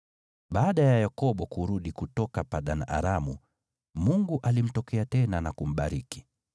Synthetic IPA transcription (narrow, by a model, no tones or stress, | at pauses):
ɓaːɗajajakɔɓɔkuɾuɗikutɔkapaɗanaʔa̰ɾamṵ | muŋɡuʔalim̩tɔkɛatɛnanakum̩ɓaɾiki̥